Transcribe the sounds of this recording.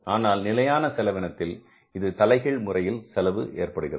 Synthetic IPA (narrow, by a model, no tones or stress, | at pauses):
aːnaːlnɪlɐjaːnɐsɛlɐʋɪnɐt̪ːɪl | ɪðɯt̪ɐlɐɪɣɐɭmʊrɐjɪlsɛlɐʋɯʔeːrpɐɽɯɣɪrɐ̰